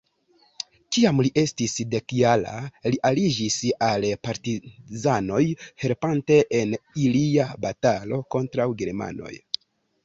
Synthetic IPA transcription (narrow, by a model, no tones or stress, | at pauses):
kiamliʔe̞stisde̞kiala̰liʔalid͡ʒisalpaɾtizano̞jhe̞ɾpante̞ʔeniliabatalo̞ko̞ntɾawɡe̞ɾma̰no̞̰j